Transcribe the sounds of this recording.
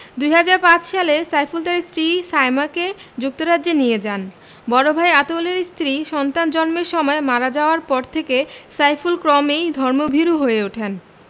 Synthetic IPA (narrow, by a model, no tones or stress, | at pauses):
d̪ujɦad͡ʑaɾpãt͡ɕʃalesajfulʈaɾist̪ɾisajmaked͡ʑuk̚t̪oɾadd͡ʑenied͡ʑan | bɔɾobʱajat̪oleɾst̪ɾiʃɔnt̪and͡ʑɔnmeɾʃɔmɔemaɾad͡ʑaoaɾpɔɾt̪ʰekesajfulkɾɔmejd̪ʱɔɾmobʱiɾuɦoeuʈʰen